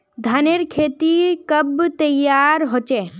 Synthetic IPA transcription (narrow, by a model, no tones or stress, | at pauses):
d̪ʱaneɾkʰeːt̪ikəbt̪əjaːɾɦot͡ʃe